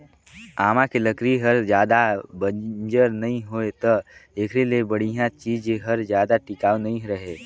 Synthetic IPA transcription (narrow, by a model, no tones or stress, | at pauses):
aːmãkeləkɾiɦəɾd͡ʒjaːd̪abəd͡ʒəɾnɐɦĩɦoːet̪əeːkʰɾelebəɽ̤ijãt͡ʃiːd͡ʒeɦəɾd͡ʒjaːd̪aʈɪkaːonɐɦĩɾɐɦe